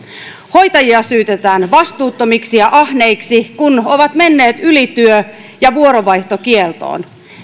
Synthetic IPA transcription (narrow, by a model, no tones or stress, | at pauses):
ho̞jt̪ɑjiɑsyːt̪et̪æːnʋɑst̪uːt̪ːomiksiɑʔɑhne̞iksikuno̞ʋɑt̪me̞nːe̞ːt̪ylit̪yø | jɑʋuoɾoʋɑjht̪o̞kielt̪o̰ːn